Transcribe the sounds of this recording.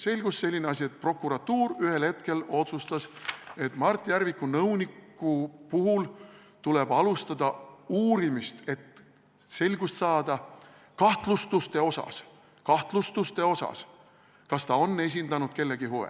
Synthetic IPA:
se̞lʲɡ̥usːse̞lʲːineɑsʲiet̪̚pro̞kːˑuɾɑt̪ːuːɾyhe̞lhe̞t̪ke̞lo̞t̪sust̪ɑse̞t̪ˑmɑrt̪ˑːijæɾvikːunɤwnikːˑupuɦul | t̪ule̞b̥ɑlust̪ɑd̪̥ɑuːɾimist̪e̞t̪ | se̞lʲɡust̪sɑːd̪̥ɑ | kɑht̪lust̪ust̪e̞o̞sɑ̰s | kɑht̪lust̪ust̪e̞o̞sɑ̰s | kɑst̪ɑo̞nːe̞s̬ʲind̪̥ɑnud̪̥̚ke̞lːe̞ɡ̥iɦoḛ

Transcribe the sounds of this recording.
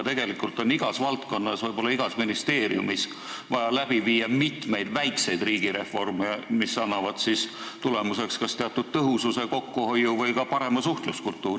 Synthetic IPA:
t̪e̞ɡ̥e̞likˑult̪ˑo̞niɡ̥ɑsvɑlt̪ko̞nːɑsvɤjbo̞lːɑiɡ̥ɑsminist̪e̞ːɾiṵmis | vɑjɑlæb̥iviːjɑmit̪me̞jd̪̥væjkse̞jd̪riːɡ̥iɾe̞fo̞rmemisːɑnːɑvɑd̪̥sist̪ule̞muse̞kskɑst̪e̞ɑt̪ːˑud̪̥̚t̪ɤɦususe̞ko̞kːuho̞jːuvɤjkɑpɑɾe̞mɑsuht̪luskult̪ːˑuːɾ

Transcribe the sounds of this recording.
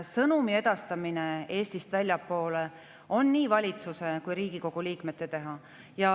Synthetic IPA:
sɤnumie̞d̪̥ɑst̪ɑminee̞ːst̪ist̪vælʲjɑpːo̞ːle̞ | o̞nːiːvɑlʲit̪suse̞kujɾiːɡ̥iko̞ɡ̥uliːkme̞t̪ːˑe̞t̪e̞ɦɑ | jɑ

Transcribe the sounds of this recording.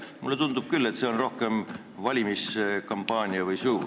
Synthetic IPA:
mulːe̞t̪und̪̥ub̥̚kylːe̞t̪ːse̞o̞nro̞hke̞m | vɑlʲimiskɑmpːɑːnʲiɑvɯjsuː

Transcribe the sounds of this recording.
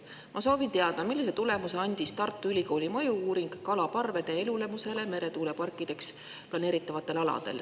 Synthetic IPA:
mʔɑso̞ːvint̪eɑd̪̥ɑmilːis̬e̞t̪ule̞muse̞ɑnʲd̪̥ist̪ɑrt̪ːˑuylʲiko̞ːlʲimɤ̞juuːɾiŋɡ̥kːɑlɑpɑrve̞d̪̥e̞elule̞muse̞le̞me̞ɾe̞t̪uːle̞pɑrkːˑid̪̥e̞ks | plɑne̞ːɾit̪ːˑɑvɑt̪ːˑe̞lɑlɑ̰d̪̥e̞̰l

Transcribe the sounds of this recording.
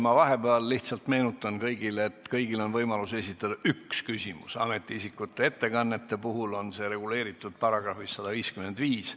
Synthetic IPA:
mɑvɑɦe̞bæɑlliht̪sɑlt̪me̞ːnut̪ːˑɑnkɤjɡileet̪ːkɤjɡ̥ilo̞nvɤjmɑluse̞sʲit̪ːˑɑd̪ɑʔykskysʲimṵsɑ̰me̞t̪ːˑiisikːˑut̪ːˑe̞e̞t̪ːe̞kɑnːe̞t̪ːe̞puɦulo̞nse̞ːɾe̞ɡule̞ːɾit̪ːˑud̪̥̚pɑɾɑɡ̥rɑfisːɑd̪̥ɑviːskyme̞nd̪viːs

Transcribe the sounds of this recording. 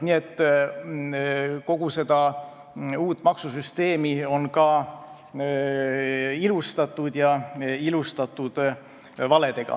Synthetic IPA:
nie̞t̪ː | ko̞ɡ̥use̞d̪̥ɑ | uːt̪ːˑmɑksusyst̪e̞ːmio̞nkɑ | ilust̪ɑt̪ːˑud̪̥jɑilust̪ɑt̪ːˑud̪̥ | vɑle̞d̪e̞ɡ̥ɑ̰

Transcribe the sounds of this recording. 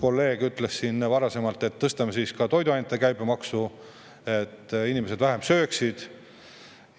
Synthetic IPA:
ko̞lːe̞ːɡ̥yt̪ːˑlesːinːvɑɾɑse̞mɑlt̪ˑe̞t̪ːɤst̪ɑmesiːskɑt̪o̞jd̪uɑjnet̪ːˑekæjbemɑksu | e̞t̪ːinimese̞d̪væɦe̞msøːksid̪̥

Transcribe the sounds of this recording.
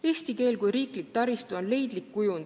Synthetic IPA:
e̞ːsʲt̪ike̞ːlkujɾiːklik̚t̪ɑɾist̪uo̞nle̞jd̪̥likːujund̪

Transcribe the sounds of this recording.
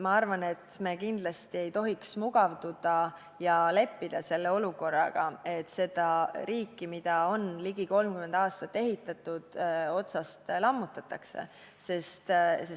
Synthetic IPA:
mɑɑrvɑne̞t̪me̞ːkind̪lɑst̪ie̞jt̪o̞ɦiksmuɡɑvd̪ud̪̥ɑ | jɑle̞pːid̪̥ɑse̞lːe̞o̞luko̞rːɑ̰ɡ̥ɑ̰e̞t̪ːse̞d̪̥ɑɾiːkːimid̪̥ɑo̞nliɡ̥iko̞lmkymend̪ɑːst̪ɑt̪ːˑe̞ɦit̪ːˑɑt̪ud̪̥o̞t̪sɑst̪lɑmːut̪ːˑɑt̪ːˑɑkse̞̰ | se̞st̪se

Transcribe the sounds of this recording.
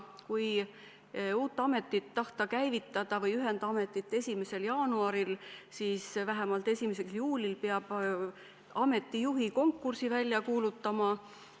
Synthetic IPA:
kuj | uːt̪ːˑɑme̞t̪ːˑit̪ːɑht̪ɑkæjvit̪ˑːɑd̪̥ɑvɤjyɦe̞nd̪̥ɑme̞t̪ːˑit̪ːˑe̞sʲimese̞ljɑːnuɑɾilsiːsvæɦemɑlt̪e̞sʲimese̞ksjuːlʲilpeɑb̥ | ɑme̞t̪ˑːijuɦiko̞ŋkːursivælʲjɑkuːlut̪ːˑɑmɑ

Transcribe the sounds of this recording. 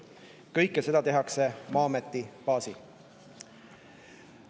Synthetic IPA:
kɤjkːˑese̞d̪̥ɑt̪e̞ɦɑkse̞mɑːmet̪ːipɑːsi

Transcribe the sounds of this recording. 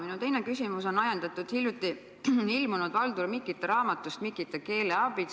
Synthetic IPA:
minut̪e̞jnekysimuso̞nːɑjɑnd̪̥ɑt̪ːˑud̪̥hilʲjut̪ːˑi | ilmunud̪̥vɑld̪urmikːˑit̪ːˑeɾɑːmɑt̪ːˑust̪mikːˑit̪ːˑeke̞ːleɑb̥i

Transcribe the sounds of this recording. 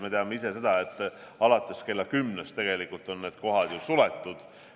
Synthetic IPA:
me̞t̪eɑmeise̞se̞d̪̥ɑet̪ːˑɑlɑt̪ˑːe̞ske̞lːɑkymːnest̪e̞ɡ̥e̞likːˑult̪ːˑo̞nːe̞ːd̪̥ko̞ɦɑd̪̥jusulet̪ːˑud̪̥

